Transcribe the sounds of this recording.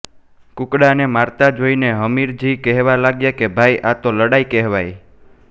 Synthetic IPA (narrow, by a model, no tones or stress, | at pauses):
kʊkɽanemaɾt̪ad͡ʒoineɦəmiɾd͡ʒikɛɦʋalaɡjakebʱajʔat̪oləɽajkɛɦʋaj